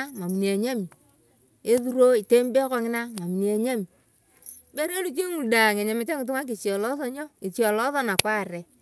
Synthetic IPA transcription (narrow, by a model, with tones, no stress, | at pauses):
a˦ma˨mi˨n˨e˨ɲa˦mi˨ | e˦ðu˦ɾo˦ɪ˨te˦mbe˦kɔ˦ŋɪ˦na˦ma˨mi˨ne˨ɲa˦mi˨ | be˦ɾe˦lu˨t͡ʃe˦ŋu˨lda˨ŋɛ˨ɲa˨mɪ˨tɛ˦ŋɪ˨t̬ʊ˦ŋa˦k̬ɪ˨t͡ʃjɔ˨lɔ˦ðɔ˦ɲɔ˦ɪ˨t͡ʃjɔ˨lɔ˦ðɔ˦na˨kwa˦˨ɾɛ˨